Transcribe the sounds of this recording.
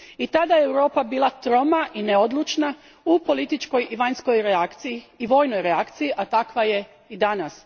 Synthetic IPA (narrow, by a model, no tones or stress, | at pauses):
it̪ad̪ajeewɾo̞ːpabiːlˠat̪ɾo̞maʔineod̪lˠut͡ʃna | upo̞lit̪it͡ʃko̞jiʋaɲsko̞jɾeakt̪sijiːʋo̞ːjnojɾeakt̪sijiʔat̪akʋaje̞ | id̪anas